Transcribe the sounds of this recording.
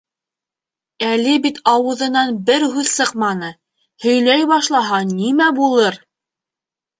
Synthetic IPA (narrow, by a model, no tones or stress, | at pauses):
ælɘbit̪ʰɑwɤ̆ðɤ̆nɑnbɘɾɦʉðsɤqmɑnɤ | hɵ̆jlæjbɑʃlˠɑɦɑnimæbulˠɤɾ